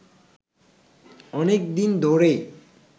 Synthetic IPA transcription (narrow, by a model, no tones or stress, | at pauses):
ɔnekd̪ind̪ʱoɾej